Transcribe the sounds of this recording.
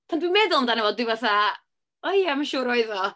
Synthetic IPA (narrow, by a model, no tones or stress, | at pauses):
pʰandwinmeːdʊlˠmədanɛvɔldwɨvaθa | ɔjɛmaʃuːɾɔɨðɔ